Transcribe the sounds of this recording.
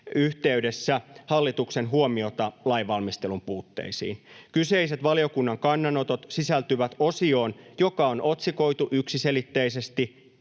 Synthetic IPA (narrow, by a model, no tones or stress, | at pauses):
yht̪e̞yde̞sːæhɑlːit̪ukse̞nɦuomio̞t̪ɑlɑjʋɑlmist̪e̞lumpuːt̪ːḛisḭːnkyse̞ise̞t̪ʋɑlio̞kunːɑŋkɑnːɑno̞t̪o̞t̪sisælt̪yʋæt̪o̞sio̞ːnjo̞kɑono̞t̪siko̞jt̪uʔyksise̞lit̪ːe̞ise̞st̪i